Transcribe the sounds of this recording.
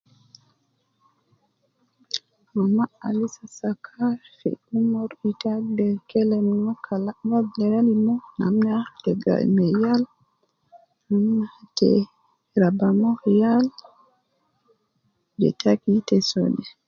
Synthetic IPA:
mamaa̰lisasakʰafḭumɔɾitadɛkɛlɛmmɔkʰalavadlɛɾalimɔna̰mnatɛɡa̰mɛjal | namnatɛ̰ | ɾabamɔhjal | bɛ̰takitɛso̰dɛ

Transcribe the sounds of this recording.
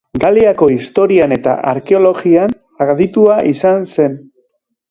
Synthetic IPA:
ɡaliako̞ist̪o̞ɾiane̞t̪a̰ʔa̰ɾke̞o̞lo̞ɣian | aðit̪uaʔisanse̞n

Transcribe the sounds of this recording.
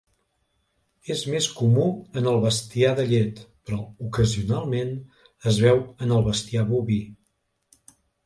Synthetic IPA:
ezmeskumuənəlˠβəst̪iaðəʎet̪pɾɔukəziunalˠmen | əzβɛwənəlˠβəst̪iaβuβi

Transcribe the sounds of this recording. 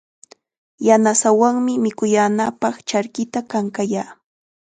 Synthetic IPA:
janasawaŋmɪmɪkʊjaːnapɑχt͡ʃaɾkɪt̪akaŋkajaː

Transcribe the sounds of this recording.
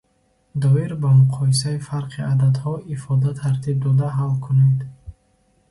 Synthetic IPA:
d̪ɔiɾbamuqʰɔis̬aifaɾqʰiʔad̪ad̪hɔʔifɔd̪at̪ʰaɾt̪ʰib̚d̪ɔd̪aɦalkʰuned̪

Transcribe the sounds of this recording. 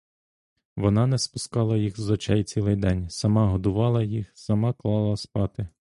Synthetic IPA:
ʋɔnɑnɛspʊskɑlˠɐjixzɔt͡ʃɛjt͡sʲilˠɪjd̪ɛnʲsɐmɑɦɔd̪ʊʋɑlˠɐjixsɐmɑklˠɑlˠɐspɑt̪ɪ

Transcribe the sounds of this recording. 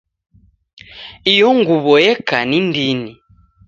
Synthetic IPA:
ijɔŋɡuβɔjɛkanindini

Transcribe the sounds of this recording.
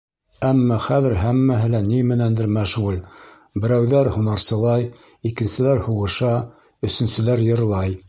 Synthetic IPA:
æmːɑχæðɘ̆ɾɦæmːæɦɘ̆lænimɘ̆nænd̪ɘ̆ɾmæʃɴul | bɘ̆ɾæwðæɾhunɑɾsɤ̆lˠɑjikɘ̆nsɘ̆læɾhuʁɤ̆ʃɑ | ɵ̆sɵ̆nsɘ̆læɾjɤ̆ɾlˠɑj

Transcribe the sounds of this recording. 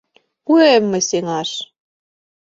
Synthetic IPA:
kuemːɘ̆sʲeŋɑʃ

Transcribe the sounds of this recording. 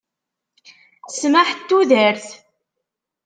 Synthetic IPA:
sməħt̪ːuðəɾθ

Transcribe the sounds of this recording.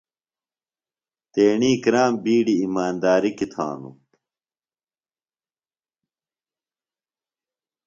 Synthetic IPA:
t̪eːɳiːkɾaːmbiːɽiːmaːnd̪aːɾikit̪ʰa̰ːnṵ

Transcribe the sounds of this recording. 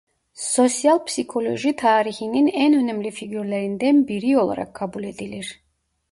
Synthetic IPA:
so̞sjalˠpsikʰo̞lʲo̞̰ʒit̪ʰaːɾiçininænø̞næmlʲifiɟyɾlʲeɾind̪ænbiɾio̞lˠa̰ɾa̰kʰːabulʲe̞d̪ilʲiɾ̥

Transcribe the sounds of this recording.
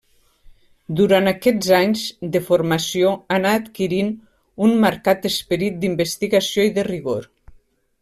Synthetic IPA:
d̪uɾanakɛzaɲzd̪əfoɾmasjoanat̪kiɾin | unməɾkat̪əspəɾit̪̚d̪imbəst̪iɣasijoiðəriɣoɾ

